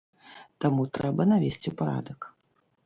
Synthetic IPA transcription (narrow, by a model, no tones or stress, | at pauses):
t̪amut̪ɾɛbɐnavʲesʲt͡sʲiwpaɾa̰d̪ɐk